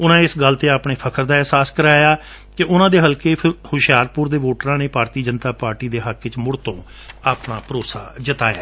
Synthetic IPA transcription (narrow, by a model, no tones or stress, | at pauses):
ʊnãːɪsɡəlt̪eːaːpɳeːpʰəkʰəɾd̪aːɛɦsaːskəɾaːjaː | kɪʊnãːd̪eːɦəlkeːɾhʊʃjaːɾpʊɾd̪eːʋoːʈɾãːneːpaːɾt̪iːd͡ʒənt̪aːpaːɾʈiːd̪eːɦəkːɪt͡ʃmʊɽt̪õː | aːpɳaːpəɾoːsa̰ːd͡ʒət̪a̰ːja̰ː